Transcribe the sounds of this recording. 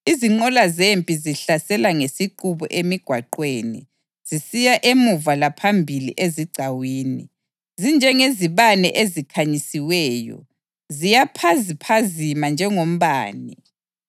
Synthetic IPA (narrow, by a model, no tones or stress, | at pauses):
iziŋ͡ǃɔlazempʼiziɬasɛlaŋesiǃuβɔ̰ʔemiɡ̥ʱwaǃweːnḭ | z̥isijaʔemuvalapʰambʱilḭʔeziɡ͡ǀʱawiːnḭ | zind͡ʒʱɛŋeziβanɛʔezikʰaɲisiwɛːjɔ̰ | zijapʰazipʰazimand͡ʒʱɛŋom̩βaːni